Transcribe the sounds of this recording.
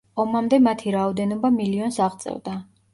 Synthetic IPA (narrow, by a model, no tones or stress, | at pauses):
ɔmamd̪ɛmat̪ʰiɾaɔd̪ɛnɔbamiliɔnsaʁt̪sʼɛ̰vd̪a